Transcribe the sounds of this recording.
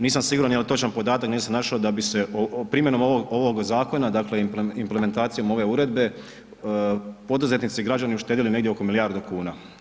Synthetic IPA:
niːsamsiɡuɾanjelit̪o̞t͡ʃanpo̞d̪aːt̪akniːsamnaʃaod̪abise̞opɾiːmjeno̞moʋoɡo̞ʋo̞ɡzaːko̞nad̪aklepimpleme̞nt̪aːt̪sijo̞mo̞ʋe̞uɾe̞d̪be̞ | po̞d̪uze̞t̪nit̪siɡɾad͡ʑaniuʃt̪eːd̪iline̞ɡdʲjeo̞ko̞milijaːɾd̪ukuːna

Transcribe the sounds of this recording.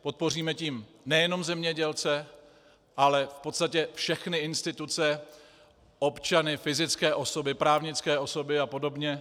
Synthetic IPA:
po̞t̪̚po̞r̝iːmɛciːm | nɛjɛno̞mzɛmɲɛɟɛlt͡sɛ | ʔalɛfpot̪st̪acɛfʃɛxnɪɪnst̪ɪt̪ut͡sɛ | ʔo̞pt͡ʃanɪfɪzɪt͡skɛːʔo̞so̞bɪpɾaːvɲɪt͡skɛːʔo̞so̞bɪapo̞do̞bɲɛ

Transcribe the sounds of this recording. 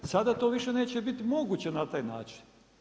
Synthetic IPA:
sad̪at̪o̞ʋiʃeneːt͡ɕebit̪imo̞ɡut͡ɕenat̪aːjna̰ːt͡ʃi̥n

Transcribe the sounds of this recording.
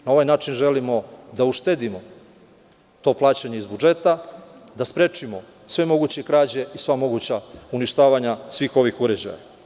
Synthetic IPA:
nao̞ʋajnaːt͡ʂinʒe̞limo̞d̪auʃt̪eːd̪imo̞ | t̪o̞plˠaːt͡ɕaɲeizbud͡ʒe̞t̪ad̪aspɾe̞t͡ʃimo̞ | sʋe̞mo̞ɡut͡ɕe̞kɾaːd͡ʑe̞isʋamo̞ɡut͡ɕauniʃt̪aːʋaɲasʋiːxo̞ʋixuɾed͡ʑa̰ja̰

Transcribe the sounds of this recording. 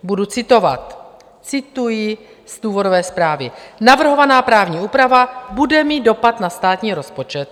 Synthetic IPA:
budut͡sɪt̪o̞vat̪ | t͡sɪt̪ujɪ | sd̪̥uːvo̞dovɛːspɾaːvɪnavr̩ɦovanaːpɾaːvɲiːʔuːpɾavabudɛmiːd̪̚do̞pat̪nast̪aːt̪ɲiːɾo̞spot͡ʃɛt̪̚

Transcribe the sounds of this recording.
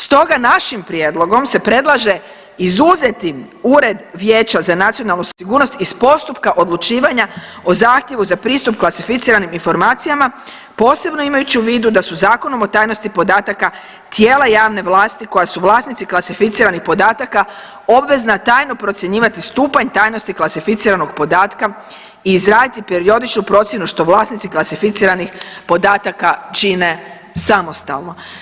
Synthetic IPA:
st̪o̞ɡanaʃimpɾjed̪lˠo̞ɡo̞mse̞pɾe̞d̪lˠaʒe̞ | izuze̞t̪i | uɾe̞d̪ʋje̞ːt͡ɕazanat̪sijo̞nalˠnusiɡuːɾno̞st̪ispo̞st̪upkaʔo̞d̪lut͡ʃiːʋaɲao̞zaːxt̪je̞ʋuzapɾiːst̪upklˠasifit̪siːɾaniminfo̞ɾmaːt̪sijama | po̞ːse̞bno̞imajut͡ɕiuʋiːd̪ud̪asuzaːko̞no̞mo̞t̪aːjno̞st̪ipo̞d̪aːt̪aka | t̪jeːlajaːʋne̞ʋlaːst̪iko̞jasuʋlˠaːsnit̪siklˠasifit̪siːɾanixpo̞d̪aːt̪aka | o̞bʋe̞znat̪aːjno̞pɾo̞t̪sʲje̞ɲiːʋat̪ist̪uːpaɲt̪aːjno̞st̪iklasifit̪siːɾano̞ɡpo̞d̪aːt̪ka | iːzɾaːd̪it̪ipeɾio̞d̪it͡ʃnupɾo̞t̪sjenuʃt̪o̞ʋlˠaːsnit̪siklasifit̪siːɾanixpo̞d̪aːt̪akat͡ʃine̞ | samo̞st̪a̰lno̞

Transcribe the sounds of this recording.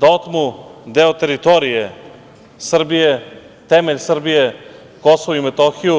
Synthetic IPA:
d̪ot̪mud̪eot̪eɾit̪oɾije | sr̩bije | t̪emeʎʲsr̩bije | kosoʋoimet̪oxiju

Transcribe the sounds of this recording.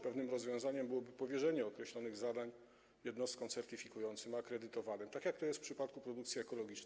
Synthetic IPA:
pɛvnɘmɾɔzvʲjɔ̃zaɲɛmbɘwɔbɘpɔvʲjɛʐɛɲɛɔkɾɛɕlɔnɘɣzad̪aɲ | jɛd̪nɔst̪kɔ̃w̃t̪sɛɾt̪ɘfʲikujɔnt̪sɘmakɾɛd̪ɘt̪ɔvanɘmt̪akjak̚t̪ɔjɛsfpʂɘpat̪̚kupɾɔd̪uk̚t̪sʲjiɛkɔlɔɡʲit͡ʂn

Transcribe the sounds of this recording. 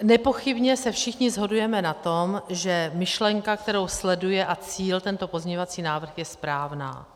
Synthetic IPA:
nɛpo̞xɪbɲɛsɛfʃɪxɲɪzɦo̞dujɛmɛnat̪o̞mʒɛmɪʃlɛŋkak̚t̪ɛɾo̞wslɛdujɛʔat͡siːlt̪ɛnt̪o̞po̞zɲɛɲovat͡siːnaːvr̩xjɛspɾaːvna̰ː

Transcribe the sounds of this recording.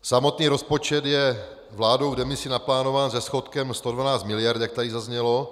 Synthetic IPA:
samo̞t̪niːɾo̞spo̞t͡ʃɛd̪jɛ | vlaːdowvdɛmɪsɪnaplaːno̞vaːnzɛsxo̞t̪kɛmst̪o̞dvanaːt͡st̪mɪlɪjaɾt̪jak̚t̪adɪzazɲɛlo̞

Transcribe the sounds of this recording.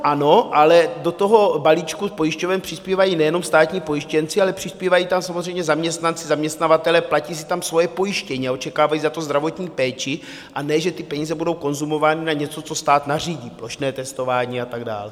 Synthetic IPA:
ʔano̞ʔalɛdot̪o̞ɦo̞balit͡ʃkuspo̞jiʃcovɛmpr̥ɪspiːvajiːnɛjɛno̞mst̪aːt̪ɲiːpo̞jiʃcɛnt͡sɪalɛpr̝̥ɪspiːvajiːt̪amsamozrɛjmɲɛzamɲɛst̪nant͡sɪzamɲɛst̪navat̪ɛlɛplaciːs̬ɪ̥t̪amsvo̞jɛpo̞jɪʃcɛɲiao̞t͡ʃɛkaːvajiːzat̪ozd̪ɾavo̞t̪ɲiːpɛːt͡ʃɪ | ʔanɛːʒɛt̪ɪpɛɲiːzɛbudo̞wko̞nzumo̞vaːnɪnaɲɛt͡so̞t͡so̞st̪aːt̪nariːɟiːplo̞ʃnɛːt̪ɛst̪o̞vaːɲiːat̪aɡda̰ːlɛ

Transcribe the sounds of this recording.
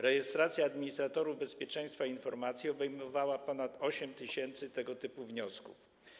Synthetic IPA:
ɾɛjɛst̪ɾat̪sʲjaːd̪mʲiɲist̪ɾat̪ɔɾuvbɛspʲjɛt͡ʂɛ̃j̃st̪fainfɔɾmat̪sʲjiɔbɛjmɔvawapɔnat̪ɔɕɛmt̪ɘɕɛnt̪sɘt̪ɛɡɔt̪ɘpuvɲɔskṵf

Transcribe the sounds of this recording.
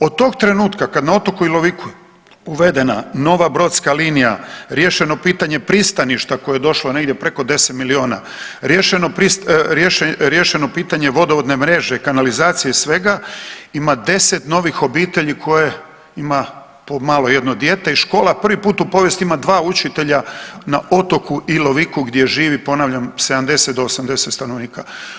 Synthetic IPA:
od̪̚t̪o̞ɡ̚t̪ɾe̞nuːt̪kakad̪nao̞t̪o̞koilo̞ʋiku | uʋe̞d̪e̞nano̞ʋabɾo̞t̪skaliːnijaɾje̞ʃeno̞piːt̪aɲe̞pɾist̪aniʃt̪akojejed̪o̞ʃloneɡd̪jepɾe̞ko̞d̪e̞set̪milio̞ːna̰ | ɾjeʃenopɾisɾjeʃɾjeʃeno̞piːt̪aɲe̞ʋo̞d̪oʋod̪ne̞mɾe̞ʒekanalizaːt̪sijesʋe̞ɡaimad̪e̞se̞t̪no̞ʋixo̞biːt̪e̞ʎikʰo̞je | ima | pomaːlo̞je̞d̪nod̪je̞t̪e̞iʃko̞ːlapr̩ʋipuːt̪upo̞ʋjest̪imad̪ʋaːut͡ʃit̪e̞ʎanao̞t̪o̞kuʔilo̞ʋikuɡd̪je̞ʒiːʋipo̞naʋʎamse̞d̪amd̪e̞set̪̚d̪oːsamd̪e̞set̪st̪ano̞ʋniːka

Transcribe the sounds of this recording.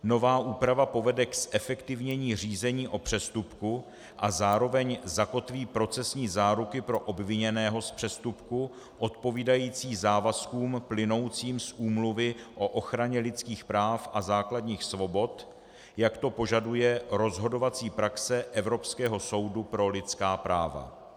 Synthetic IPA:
no̞vaːʔuːpɾavapo̞vɛdɛksʔɛfɛkt̪ɪvɲɛɲiːr̝iːzɛɲiːʔo̞pr̝̥ɛst̪upku | ʔazaːɾo̞vɛɲzako̞t̪viːpɾo̞t͡sɛsɲiːzaːɾukɪpɾo̞ʔobvɪɲɛnɛːɦo̞spr̥ɛst̪upku | ʔo̞t̪̚po̞viːdajiːt͡siːzaːvaskuːmplɪno̞wt͡siːmsʔuːmluvɪʔo̞ʔo̞xɾaɲɛlɪt͡skiːxpɾaːfʔazaːkladɲiːxsvo̞bo̞t̪ | jakt̪o̞po̞ʒadujɛɾo̞zɦo̞do̞vat͡siːpɾaksɛʔɛvɾo̞pskɛːɦo̞so̞wdupɾo̞lɪt͡skaːpɾaːva̰

